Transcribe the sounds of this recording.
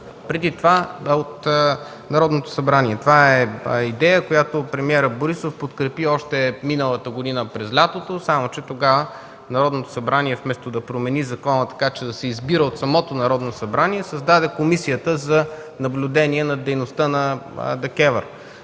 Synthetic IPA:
pɾɛd̪it̪ovaot̪ | nɐɾɔd̪not̪o̥sɐbɾaniɛt̪ovaɛid̪ɛjəkojat̪opɾɛmiɛɾəboɾisofpot̪kɾɛpiɔʃt̪ɛminəlˠət̪əɡod̪inəpɾɛzlʲat̪ot̪osamot͡ʃɛt̪oɡavə | nɐɾɔd̪not̪o̥sɐbɾaniɛfmɛst̪od̪ɐpɾomɛnizɐkɔnət̪ɐ̥kat͡ʃɛd̪ɐsɛizbiɾəot̪sɐmɔt̪onɐɾɔd̪nosɐbɾaniɛsɐzd̪ad̪ɛkomisijət̪əzɐ | nɐblʲʊd̪ɛniɛnɐd̪ɛjnost̪ənɐd̪ɐkɛvəɾ

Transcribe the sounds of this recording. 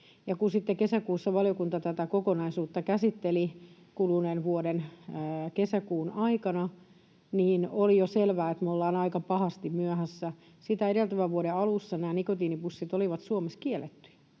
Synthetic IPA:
jɑkunsit̪ːekesækuːsːɑʋɑlijokunt̪ɑt̪æt̪ækokonɑisuːt̪ːɑkæsit̪ːeli | kulunenʋuodenːkesækuːnɑikɑnɑ | niːnolijoselʋæːet̪meolːɑːnɑikɑpɑhɑst̪immyæhæsːæ | sit̪æeɾelt̪æʋæʋʋuoɾeɑlusːɑnæːnikot̪iːnipusːit̪oliʋɑt̪suomeskielːˑet̪ːy̥jæ̥

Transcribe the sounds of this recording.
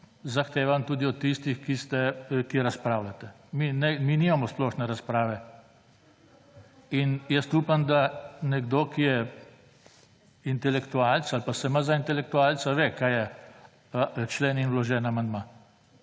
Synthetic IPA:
zaxt̪eːʋamt̪uːd̪iɔt̪ːist̪ixkist̪ɛkiɾaspɾaːwlat̪ɛ | minɛminiːmamɔsplɔʃnɛɾaspɾaːʋɛ | injɛst̪uːpamd̪anɛɡd̪oːkijɛ | int̪ɛlɛkt̪uaːlt̪salpasɛmazaint̪ɛlɛk̚t̪uaːlt̪saʋekaːjjɛ | t͡ʃlɛːninwlɔʒɛːnamand̪maː

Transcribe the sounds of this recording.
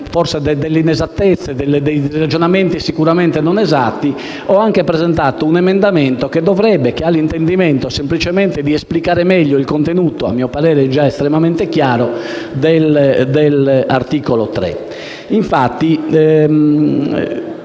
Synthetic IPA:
fɔɾsɛd̪ɛd̪ɛlːeinɛzat̪ːɛt̪sːɛd̪ɛlːed̪ej̪ɾad͡ʒɔnament̪isikuɾamɛnt̪enɔnɛzat̪ːi | ɔaŋkepɾɛzɛnt̪aːt̪ounɛmɛnd̪amɛnt̪oked̪ːɔvɾɛbːɛkealːint̪end̪imɛnt̪osemplit͡ʃɛmɛnt̪ed̪iesplikaːɾemɛʎːoilkont̪enuːt̪oa̰mːiːɔpaɾɛːɾɛd͡ʒaɛst̪ɾɛmamɛnt̪ɛk̟jaːɾod̪ɛld̪ɛlaɾt̪iːkolot̪ɾɛ̰ | iɱfat̪ːi

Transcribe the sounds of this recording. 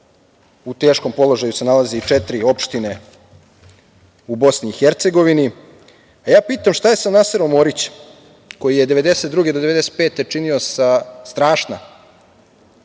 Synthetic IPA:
ut̪e̞ːʃko̞mpo̞lˠo̞ʒajuse̞nalazeit͡ʂet̪ɾio̞pʃt̪ine̞ | ubo̞sniːxeɾt̪se̞ɡo̞ʋini | ajaːpiːt̪amʃt̪aje̞samnaseɾomoɾit͡ɕ | ko̞jije̞d̪e̞ʋe̞d̪e̞set̪d̪ɾuːɡed̪o̞d̪ee̞d̪e̞set̪pe̞ːt̪et͡ʂiniosast̪ɾaːʃna̰

